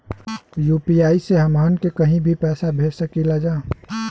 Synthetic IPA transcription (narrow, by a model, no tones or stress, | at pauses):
juːpiaːiseɦɐmankekɐɦĩbʱipɛːsabʱeːsəkilad͡ʒaː